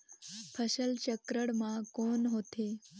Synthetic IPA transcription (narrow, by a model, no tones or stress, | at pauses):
pʰəɕəlt͡ɕəkɾəɽmãkonɦoːt̪e